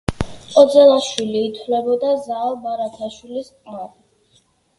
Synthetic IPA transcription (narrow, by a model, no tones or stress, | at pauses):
ɔd̪zɛlˠaʃwiliːt̪ʰwlɛbɔd̪azaːlbaɾat̪ʰaʃwilisqʼaɾ